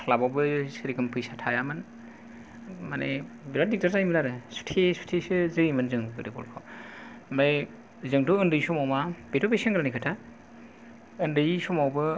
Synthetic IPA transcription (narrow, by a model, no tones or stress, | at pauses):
labawbɯsɯɾikɯmpʰɯjsatʰajamɯn | manʔebiɾadik̚taɾzajmɯlaɾɯsu̥tʰesu̥tʰesɯzɯɾimɯnzɯŋbɯɾibɔ̰lkʰaw | maj | zɯŋtuɯndɯjsumawmab̥etʰɔpesɯŋɡɾanikʰɯtʰa | ɯndɯjsumawbɯ